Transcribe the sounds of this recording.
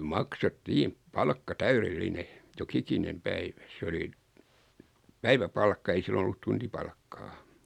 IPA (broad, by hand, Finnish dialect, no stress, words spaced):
mɑksetːiːm pɑlkːɑ tæyrelːine jokikinem pæiʋæ se oli pæiʋæpɑlkːɑ ei silːon̆ olːut tuntipɑlkːɑː